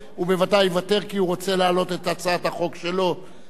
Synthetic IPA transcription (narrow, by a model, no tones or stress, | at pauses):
ube̞vadajvate̞ʁkiuʁo̞t͡se̞laːlo̞t̪e̞t̪at͡saat̪haχo̞kʃe̞lo̞